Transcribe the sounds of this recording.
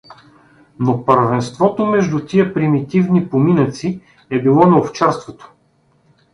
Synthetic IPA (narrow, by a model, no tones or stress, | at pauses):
nopəɾvɛnst̪vɔt̪omɛʒd̪ut̪iəpɾimit̪ivnipominət̪si | ɛbilˠɔnɐoft͡ʃaɾst̪vot̪o̥